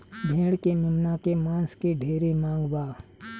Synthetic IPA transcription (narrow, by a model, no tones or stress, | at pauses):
bʱeːɽkemʊmnakemãːnskiɖʱeːɾimãːŋɡbaː